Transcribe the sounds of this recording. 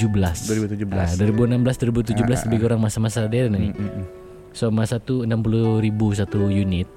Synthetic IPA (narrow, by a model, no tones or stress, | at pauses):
ubəlasdɾibut̪ud͡ʒubəladuaɾibuənambəlasduaɾibut̪̬ud͡ʒubəlasləbiɡoɾaŋmasamasadaɾnani | somasat̪uənampuluɾibus̬at̪ujunɪt̪̚